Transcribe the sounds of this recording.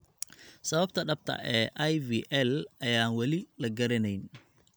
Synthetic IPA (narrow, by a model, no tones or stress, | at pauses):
sɐβɐbt̪ʰɐɖɐb̚t̪ʰɐ̰ʔɛːʔajviːʔɛlɐjaːnwɐlɪlɐɡɐɾɪnɛjn